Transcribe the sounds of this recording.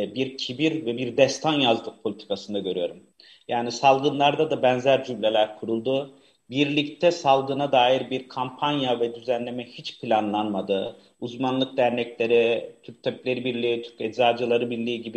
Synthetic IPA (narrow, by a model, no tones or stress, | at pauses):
biɾcʰibiɾvɛbiɾd̪ɛst̪ʰanjazd̪ˠɯk̚pʰo̞lʲit̪ʰi̥kʰasɯnd̪aɟø̞ɾyjo̞ɾum | jaːnisalˠɡɯnlˠaɾd̪ad̪abɛnzæɾd͡ʒymlʲelʲæɾkʰuɾulˠd̪u | biɾlʲict̪ʰɛsalˠɡɯnad̪aːjiɾbiɾkʰampʰanjavɛd̪yzænlʲe̞mɛhit͡ʃpʰilʲanlˠanmad̪ɯ | uzmanlˠɯk̚d̪æɾnɛclʲe̞ɾit̪ʰyp̚t̪ʰailʲe̞ɾibiɾlʲiːt̪ʰyɾcɛd̪zaːd͡ʒɯlˠaɾɯbiɾlʲiːɟibi